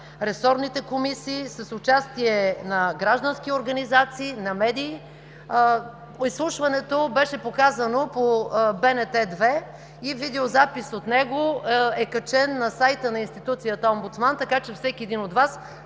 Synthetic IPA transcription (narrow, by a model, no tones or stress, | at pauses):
ɾɛsɔɾnit̪ɛkomisiːsəsʊt͡ʃast̪iɛnɐɡɾaʒd̪ənsk̟ioɾɡɐnizat̪siːnɐmɛd̪iː | islˠuʃvɐnɛt̪obɛʃɛpokazɐnopobɛnɛt̪ɛd̪vɛ | ivid̪ɛozapisot̪nɛɡoɛkɐt͡ʃɛnːɐsajt̪ənɐinst̪it̪ut̪sijət̪əɔmbʊt̪smant̪ɐkat͡ʃɛfsɛkʲiɛd̪inot̪vas